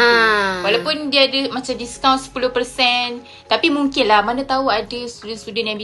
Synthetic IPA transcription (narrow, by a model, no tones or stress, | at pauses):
walawpʊndiaːdəmat͡ʃamdiskãw̃nsə̥pulʊhpərsɛn | t̪apimuŋkɪnlahmanat̪auadəst̪udɛnst̪udɛnjaŋbi